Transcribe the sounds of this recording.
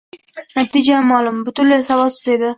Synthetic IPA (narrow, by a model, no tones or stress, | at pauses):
nat̪id͡ʒamːalˠʊmbʊt̪ʰʊnlasavɒsɪzed̪ɪ